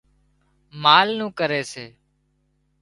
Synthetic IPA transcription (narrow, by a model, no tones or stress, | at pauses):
maːlnũːkəɾeːseː